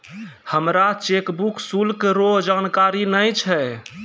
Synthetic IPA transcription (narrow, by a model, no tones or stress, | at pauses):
həmɾat͡ʃekbuksulkɾoɦd͡ʒankaɾinəjt͡ʃʰɛ